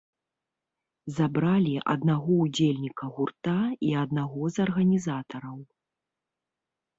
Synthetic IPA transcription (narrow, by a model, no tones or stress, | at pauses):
zabɾalʲiʔɐ̰d̪naɣɔud͡zʲelʲnʲikɐɣurt̪aiɐd̪̚naɣɔzɐrɣɐnʲizat̪ɐɾɐw